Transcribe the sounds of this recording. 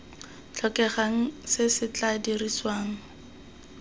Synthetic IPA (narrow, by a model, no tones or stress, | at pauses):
t͡ɬʰɔkʼɛχaŋ̩sɪsɪt͡ɬʼadiriswaːŋ̩